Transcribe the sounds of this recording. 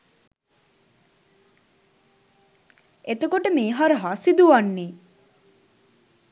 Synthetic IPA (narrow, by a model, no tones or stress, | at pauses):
et̪okoʈəmeːɦɔɾəɦasid̪uʋanːeː